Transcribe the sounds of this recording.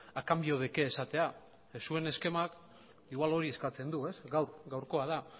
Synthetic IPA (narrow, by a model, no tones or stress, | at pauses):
akambio̞ð̞eke̞ːsat̪e̞a | sue̞ne̞ske̞mak | iɣwalo̞ɾie̞skat͡se̞nd̪ue̞sɡawɾɡawɾko̞að̞a